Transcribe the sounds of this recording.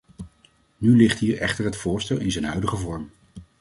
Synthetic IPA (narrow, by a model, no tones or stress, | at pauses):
nylɪχtɦiːɹɛ̰χtəɹɦətfʊːɹstɛlˠɪnzənɦœɥdəχəvɔɹm